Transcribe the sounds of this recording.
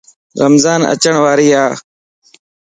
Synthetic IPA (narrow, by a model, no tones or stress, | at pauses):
ɾəmzaːnə̰t͡ʃəɳʋaːɾiːaː